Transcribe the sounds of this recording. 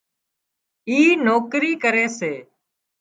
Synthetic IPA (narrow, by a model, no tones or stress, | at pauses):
iːnoːkɾiːkəɾeːseː